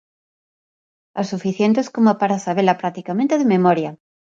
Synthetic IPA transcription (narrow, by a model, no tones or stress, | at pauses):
asufiθjent̪eskomapaɾasaβelapɾak̚t̪ikamẽnt̪eðememoɾja